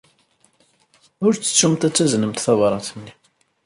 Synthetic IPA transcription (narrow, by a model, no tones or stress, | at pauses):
ʊɾt͡sːə̥t͡sːumt̪æt͡sːæznəmt̪θɑvɾˤɑθənːi